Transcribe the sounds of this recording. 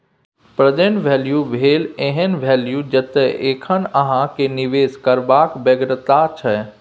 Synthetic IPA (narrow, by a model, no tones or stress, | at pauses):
pɾəd͡ʒeɳʋɛːljubʱeːlẽɦənʋʱɛːljud͡ʒət̪eʔeːkʰənəɦãkeniʋeːskəɾbaːkbəɡɾət̪at͡ʃʰɛ